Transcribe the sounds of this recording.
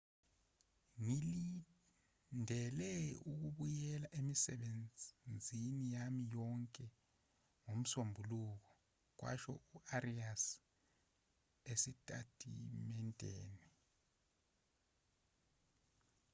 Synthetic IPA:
ŋili | ndʱɛlɛuk̬uɓujɛlaʔemisɛɓennd͡zʱinijamijɔŋkʼɛ | ŋom̩sombʱuluk̬ɔ | k̬wa̰ʃɔ̰uʔarias | esitʼa̰tʰʼḭmɛntʼḛːni

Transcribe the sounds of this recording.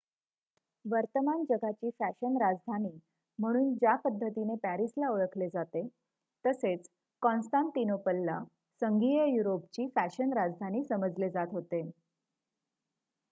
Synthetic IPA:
ʋəɾt̪əmand͡ʑəɡʱat͡ɕiːfæɕənɾad͡zd̪ʱaniː | m̤əɽ̃uːnd͡ʑjapəd̪ʱːət̪inepæɾislaoɭəkʰled͡zat̪e | t̪əset͡s | kɔ̃nsʈãnt̪inopəlːa | səŋɡijəjuɾopt͡ɕiːfæɕənɾad͡zd̪ʱaniːsəməd͡zled͡zat̪ɦot̪e

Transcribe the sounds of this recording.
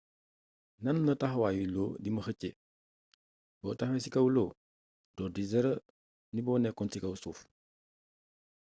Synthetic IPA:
nɐnnɐtaxwaːjiloːdimɐxəce | bɔːtaxesikɐwloː | dɔːdizɛɾə | nibɔːnɛkːɔnsikɐwsuːf

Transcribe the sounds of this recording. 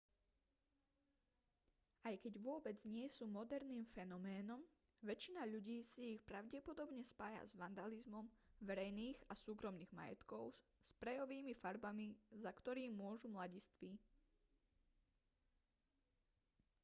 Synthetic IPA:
ajkɛɟʋʊɔbɛd͡zɲɪɛsuːmɔd̪ɛɾniːmfɛnɔmɛːnɔm | ʋɛt͡ʃinaʎuɟiːsiːxpɾaʊɟɛpɔd̪ɔbɲɛspaːja̰zʋand̪alizmɔmʋɛɾɛjniːɣasuːkɾɔmniːɣma̰jɛ̰t̪kɔʊspɾɛjɔʋiːmifaɾbamizakt̪ɔɾiːʊɔʒumlaɟist̪ʋi

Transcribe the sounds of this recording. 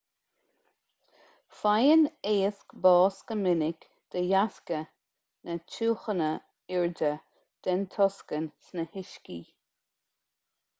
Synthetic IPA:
fajəneːəskbɑːskəmɪnɪk | d̪̥əjaskə | nət͡ʃʰuːxənə | ɪɹdə | d̪̥ɛnt̪ʰɔskənsnəhɪʃki

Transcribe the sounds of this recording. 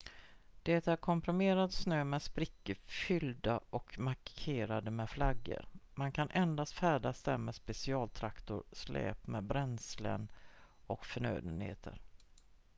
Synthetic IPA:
d̪̥ɛt̪æɾkʰɔmpʰɾʊmeːɾat̪snøːmɛspɾɪkːəfʏld̪aʔɔkmaɾkʰeːɾad̪əmɛflaɡːə̰ɾmankʰanʔɛnd̪ast̪fæːɖasd̪æmɛspɛsɪɑːlt̪ʰɾakt̪ʊɾslɛ̰ːpmɛbɾɛnslə̰n | ɔkfœɳø̰ːd̪ənhḛːt̪ʰə̰ɾ

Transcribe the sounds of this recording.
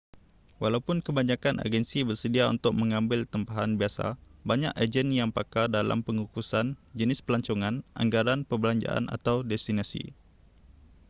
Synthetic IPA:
walawpʊnkəbaɲakanʔa̰ɡɛnsibərsədiaṵnt̪ʊk̚mə̃ŋãmbɪlt̪əmpaɦanbiasa̰baɲakad͡ʒɛnjaŋpakardala̰mpəŋukusand͡ʒənɪspəlaɲt͡ʃɔŋãnʔa̰ŋɡaɾanpəbəlaɲd͡ʒa̰ʔa̰nʔa̰t̪awdɛst̪inasḭ

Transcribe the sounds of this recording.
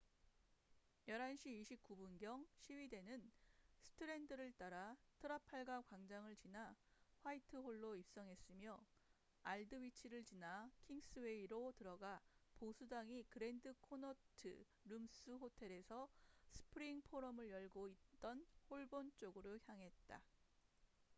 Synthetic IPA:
jʌɾɦanɕʰiːɕʰip̚k͈ubunɡjʌŋɕʰiwide̞nɯnsʰɯ̥tʰɯɾe̞ndɯɾɯɭt͈aɾatʰɯɾapʰaɭɡakwaŋd͡ʑaŋɯɭt͡ɕinaɸwaitʰɯɦoɭːoip̚s͈ʌŋɦes͈ɯmjʌ | aɭdɯwit͡ɕʰiɾɯɭt͡ɕinakʰiŋs͈ɯwe̞iɾotɯɾʌɡaposʰudaŋikɯɾe̞ndɯkʰonʌtʰɯ̰ | ɾums͈ɯɦotʰe̞ɾe̞sʰʌsʰɯ̥pʰɯɾiŋpʰoɾʌmɯɭjʌɭɡoit̚t͈ʌnhoɭbont͡ɕ͈oɡɯɾoçjaŋɦe̞t̚t͈a̰

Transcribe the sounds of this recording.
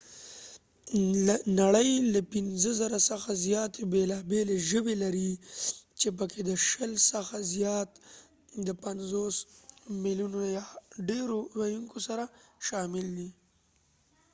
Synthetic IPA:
anaɽəjlapinzəzaɾasəxazjɑt̪ebelɑbeleʒəbelaɾit͡ʃep̬əkʰed̪əʃəlsəxazjɑt̪ | d̪əpanzosmilunojɑɖeɾowajuŋkosaɾaʃɑmɪld̪i

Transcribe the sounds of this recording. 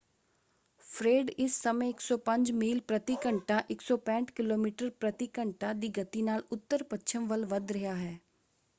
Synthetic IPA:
fʰɾeːɖɪsːəmẽɪksɔːpə̃ɲd͡ʒmiːlpɾət̪ikəɳʈaʔɪksɔːpɛ̃ːt͡ʃkɪloːmiːʈəɾpɾət̪ɪkəɳʈad̪iːɡɐt̪inaːlʊt̪ːəɾpətːʃʰəmʋəlʋəd̪ɾəɦaːɦɛː

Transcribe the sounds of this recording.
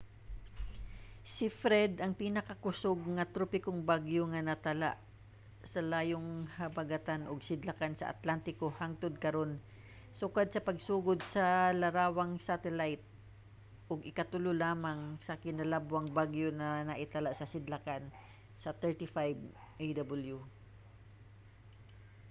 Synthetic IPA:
sɪfɾɛd̪ʔɐŋpiːnɐkɐkʊsoɡ̚ŋɐt̪ɾopɪkoŋbaɡjoŋɐnɐt̪ɐla̰ʔ | sɐlaːjoŋhɐbaɡat̪anʔʊɡsɪd̪lakansɐ̰ʔa̰t̪lant̪ɪkohaŋt̪od̪̚kɐɾo̞n | sʊkad̪̚sɐpɐɡ̚suːɡʊd̪̚sɐlɐɾaːwaŋsat̪ɛlajt̪̚ | ʔʊɡʔɪkɐt̪ʊlʊlaːmaŋsɐkɪnalabwaŋbaɡjonɐnɐʔɪt̪alaʔsɐsɪd̪lakan | sɐt̪ɛɹt̪ɪfajb | ʔejd̪abɐlju

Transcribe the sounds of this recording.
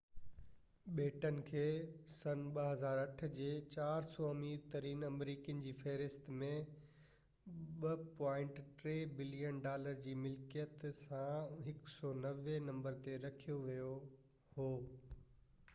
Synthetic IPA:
ɓeːʈənɪ̆kʰeːsɐnɓɐɦɐzaːɾɐʈ̆ʰd͡ʑeːt͡ɕaːɾsɔːɐmiːɾt̪ɐɾiːnɐmɾiːkijənɪ̆d͡ʑiːfeːɾɪst̪mẽ | ɓɐpɔ̃ːɪ̃ɳʈʈɾeːbɪlijənɖaːləɾd͡ʑiːmɪlkijət̪sãɦɪksɔːnɐʋenɐ̃mbəɾt̪eɾɐkʰijoʋijo | hoː

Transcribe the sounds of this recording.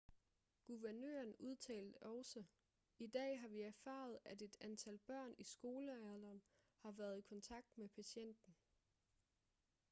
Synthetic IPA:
ɡ̥uʋæɐnø̰ːɐnuð̞ˠt͡sʰɛ̰ːld̥əʔɒʊsə | id̥ɛ̰ːɦɑ̈ʋiæɐfɑ̰̈ð̞̩ˠæde̝d̥ænt͡sʰæl̰b̥ɶɐ̰nisɡ̥o̝ːləæðˠɐn | hɑ̈ʋæɐð̞ˠikʰɒ̽nt͡sʰɑ̈ɡ̥̚d̥mepʰæɕen̰d̥n̩

